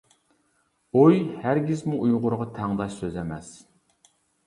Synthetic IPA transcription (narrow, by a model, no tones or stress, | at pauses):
ojhæɾɡʲizmuʔujʁʊɾʁɑt̪ʰæŋd̪ɑʃsøzɛmɛs